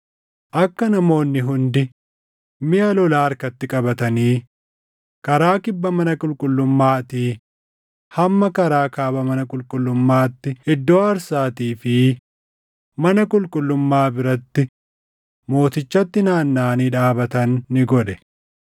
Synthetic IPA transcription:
ʔɐkːɐnɐmo̞ːnːɪɦʊnd̪ɪ | mɪʔɐlɔlaːɐɾkɐt̪ːɪkʼɐbɐt̪ɐniː | kɐɾaːkɪbːɐmɐnɐkʼʊlkʼʊlːʊmːaːt̪iː | hɐmːɐkɐɾaːkaːbɐmɐnɐkʼʊlkʼʊlːʊmːaːt̪ːɪɛd̪ːoːɐɾsaːt̪iːfɪ | mɐnɐkʼʊlkʼʊlːʊmːaːbɪɾɐt̪ːɪ | mo̞ːt̪ɪt͡ʃːɐt̪ːɪnaːnːaːniːᶑaːbɐt̪ɐnːɪɡɔᶑɛ̥

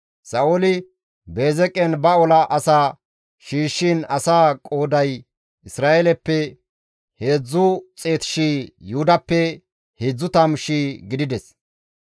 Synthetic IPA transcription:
sɐʔolɪ | be̞ːzɛkʼːɛnbɐɔlɐʔɐsaː | ʃiːʃːinɐsaːkʼoːd̪ɐj | ʔɪsɾaːelɛpːɛ | heːd͡zːʊt͡sʼe̞ːt̪ɪ̥ʃiːjuːd̪ɐpːɛ | hed͡zːʊt̪ɐmʃiːɡɪd̪ɪd̪ɛs

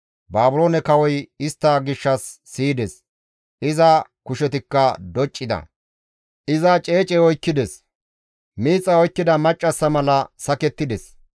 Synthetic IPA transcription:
baːbʊloːnɛkɐwɔjɪst̪ːɐɡɪʃːɐsːiːd̪ɛs | ʔɪzɐkʊʃɛt̪ɪkːɐd̪ɔt͡ʃʼːɪd̪ɐ̰ | ʔɪzɐt͡ʃʼe̞ːt͡ʃʼɛɔjkːɪd̪ɛs | miːt͡sʼːɐɔjkːɪd̪ɐmɐt͡ʃʼːɐsːɐmɐlɐsɐkɛt̪ːɪd̪ɛs

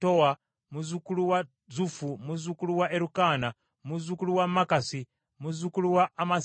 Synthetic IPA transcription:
towa | muzukuluwa | d͡zufumuzukuluwaʔeɾukana | muzukuluwamakasi | muzukuluwaːma

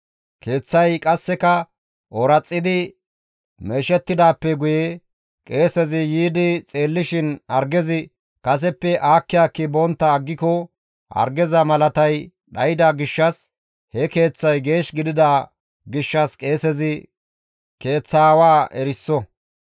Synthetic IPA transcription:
kʰe̞ːt͡sːɐjkʼɐsːɛkɐ | ʔɔɾɐt͡sʼːɪd̪ɪ | me̞ːʃɛt̪ːɪd̪aːpːɛɡʊje | kʼe̞ːsɛzɪjiːd̪ɪt͡sʼeːlːɪʃɪnɐɾɡɛzɪ | kɐs̬ɛpːɛʔaːkːɪjaːkːɪbɔnt̪ːɐːɡːɪkɔ | hɐ̰ɾɡɛzɐmɐlɐt̪ɐj | ɗɐjɪd̪aɡɪʃːɐs | hɛke̞ːt͡sːɐjɡe̞ːʃɡɪd̪ɪd̪aː | ɡɪʃːɐskʼe̞ːsɛzɪ | ke̞ːt͡sːaːwaːʔɛɾɪsːɔ

